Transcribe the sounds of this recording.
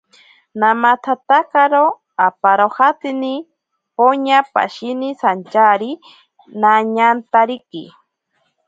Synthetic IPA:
namat̪ʰat̪akaɾo | apaɾohat̪ini | poɲapa̰ʃinisant͡ʃaɾi | naɲant̪aɾikḭ

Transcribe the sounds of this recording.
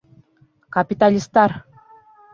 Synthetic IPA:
kapʲit̪alʲist̪ɑr

